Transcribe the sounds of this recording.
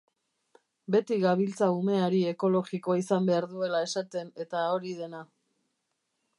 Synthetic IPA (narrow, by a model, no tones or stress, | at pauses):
be̞t̪iɣaβ̞ilt͡saume̞aɾie̞ko̞lo̞ɣiko̞isambe̞aɾðue̞lae̞sat̪e̞ne̞t̪ao̞ɾiðe̞na